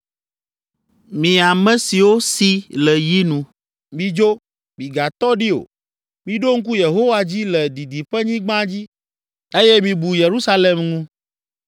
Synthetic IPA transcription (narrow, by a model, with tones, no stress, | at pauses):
mĩ˨a˨mɛ̃˦si˨wo˦si˦lɛ˨ji˦nũ˦ | mĩ˨d͡ʒo˦ | mĩ˨ɡa˨t̪ɔ˦ɖi˦o̰˨ | mĩ˦ɖo˦ŋ̩˦k̬u˦je˨ɦo˦wa˦d͡ʑi˦lɛ˨d̪i˨d̪i˨ɸɛ˦ɲĩ˦ɡ͡bã˦d͡ʑi˦ | e˦jɛ˦mĩ˨bu˨je˨ɾu˦sa˦le˨mnũ˦